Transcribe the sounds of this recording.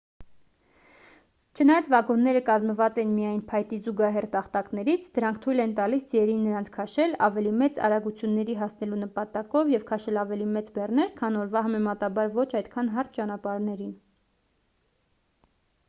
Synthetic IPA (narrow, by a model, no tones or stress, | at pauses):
t͡ʃʰənɑjɑt͡svɑɡɔnːɛɾəkɑzməvɑt͡sɛnmijɑjnpʰɑjt̪izuɡɑɦɛrt̪ɑχt̪ɑknɛɾit͡sʰd̪əɾɑŋkʰt̪ʰujlɛnt̪ɑlisd͡ziɛɾinːəɾɑnt͡sʰkʰɑʃɛlɑvɛlimɛt͡sɑ̰ɾɑɡut͡sʰjunːɛɾiɦɑsnɛlunəpɑt̪ɑkɔvjɛvkʰɑʃɛlɑvɛlimɛt͡sbɛrn̪ɛɾkʰɑnɔɾvɑɦɑmɛmɑt̪ɑbɑɾvɔt͡ʃʰɑjt̪kʰɑnɦɑrt̪̚ʰt͡ʃɑnɑpɑɾnɛɾin